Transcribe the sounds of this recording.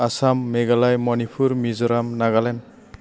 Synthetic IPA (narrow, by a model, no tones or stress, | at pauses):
asamːeɡalajmɔnipʰuɾmizɔɾamnaɡalen